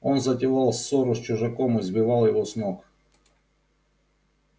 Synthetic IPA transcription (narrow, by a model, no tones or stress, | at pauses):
onzɐtʲɪlˠɑlˠsoɾʊsʲt͡ɕʊʐɐkomɨzbʲɪvɑlˠjɪvosnʲok